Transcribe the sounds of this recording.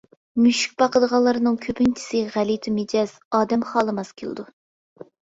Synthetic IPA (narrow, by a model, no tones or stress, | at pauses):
myʃy̥k̚ʲbɑqəd̪əʁɑlˠːɨɾɨnɨŋkʲʰøpynt͡ʃʰi̥sɨʁælit̪ʰumed͡ʒɑz̥ɑːd̪ɛmχɑːlˠɨmɑskʲʰelˠɨ̰d̪u